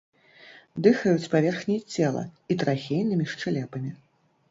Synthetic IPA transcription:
d̪ɨxɐjut͡sʲpavʲɛrxnʲijt͡sʲɛlˠɐ̰it̪ɾaxʲejnɨmʲiʂt͡ʂɨlʲɛpɐmʲi

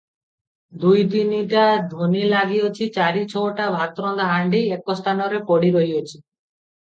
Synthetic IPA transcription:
d̪ujd̪iniʈad̪ʱonilaɡiɔt͡ʃʰit͡ʃaɾit͡ʃʰɔoʈabʱat̪ɾɔnd̪aɦaɳɖiekɔst̪ʰanɔɾepɔɽiɾɔɦiɔt͡ʃʰi̥

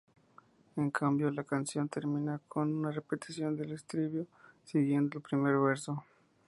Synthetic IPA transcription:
e̞ŋkʰambjo̞lakansjo̞nt̪e̞ɾmĩnakʰo̞nunarepe̞t̪i̥sjo̞nd̪e̞lest̪ɾiβjo̞siɣje̞nd̪oelpɾime̞ɾβe̞ɾso̞

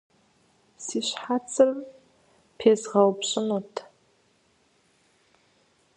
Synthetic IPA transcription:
siːɕħat͡sʰʼɨr | pʰeːzʁɐwpɕʼɪnotʰ

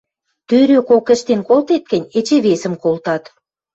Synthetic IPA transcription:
t̪øɾøkokə̆ʃt̪enkolt̪et̪̚kə̆nʲet͡ɕeβesə̆mkolt̪ɑt̪

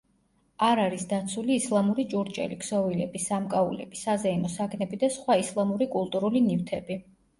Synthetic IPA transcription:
aɾaɾisd̪at̪sʰuliːslˠamuɾit͡ʃʼuɾt͡ʃʼɛ̰liksɔvilɛbisamkʼaulɛ̰b̥isazɛinɔsaknɛbid̪asχwaislˠamuɾikʼulˠt̪ʼuɾulinift̪ʰɛbi

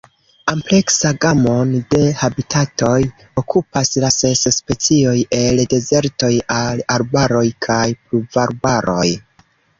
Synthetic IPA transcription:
ample̞ksaɡamo̞nde̞habitʰato̞j | okʰupaslase̞sspe̞t͡sio̞je̞lde̞ze̞ɾto̞jalaɾbaɾo̞jkʰajpluvaɾbaɾʔo̞̰j

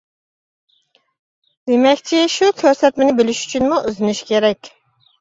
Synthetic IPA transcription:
d̪emɛkʲt͡ʃʰiʃukʲʰøɾsɛt̪mɪnɪbɪlɪʃy̥t͡ʃʰynmuʔøzɪnyʃkʲeɾɛkʲ

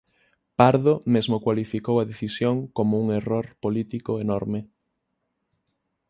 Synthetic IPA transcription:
paɾðomezmokwalifikowaðeθisjoŋkomouŋeroɾpolit̪ikoenɔɾme

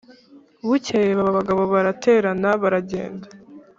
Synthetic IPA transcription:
βucejeβaβaβaɡaβo̞βaɾatʰe̞ːɾanaβaɾaɟe̞̰ːnda

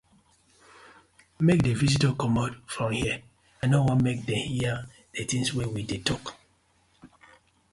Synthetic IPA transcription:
mek̚devisitɔkɔmotfɹɔ̃mhiə | anowɔ̃nmek̚dɛ̃mhiə | d̥etĩŋswewidetʰɔk

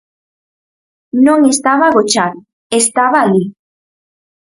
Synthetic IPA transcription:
nõŋest̪aβaɣot͡ʃað | est̪aβaːʎi

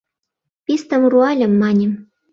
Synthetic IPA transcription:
pʲist̪ɤ̆mruɑlʲɤ̆mːɑnʲi

